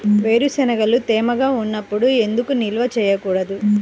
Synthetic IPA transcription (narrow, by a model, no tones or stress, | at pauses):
ʋe̞ːɾusɛnɐɡɐlut̪ɛːmɐɡaːunːɐpːuɽue̞nd̪ukunilʋɐt͡ʃɛːjɐkuːɽɐd̪u